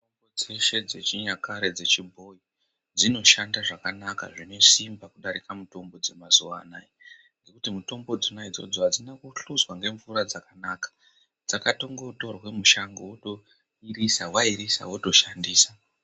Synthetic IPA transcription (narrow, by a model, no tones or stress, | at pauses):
tombod͡ze̞ʃe̞d͡ze̞t͡ʃiɲakaɾed͡ze̞t͡ʃimbo̞i | d͡zino̞ʃandaʐakanaka̰ʐino̞simbakuɗaɾikamuto̞mbo̞d͡ze̞mazuwanai | ŋɡe̞kutimuto̞mbo̞d͡zonaid͡zo̞̰d͡zo̞ɦad͡zinakuɬuzwaŋɡe̞ɱvuɾad͡zakanaːkḁ | d͡zakato̞ŋɡo̞to̞rwe̞muʃaŋɡowoto | irisawaiɾisa̰woto̞ʃandiːsa